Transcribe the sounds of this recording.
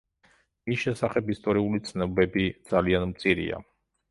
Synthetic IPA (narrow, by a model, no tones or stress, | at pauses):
misʃɛsaχɛpist̪ʼɔɾiulit̪sʰnɛɔbɛbid̪z̥alianmt̪sʼiɾḭa̰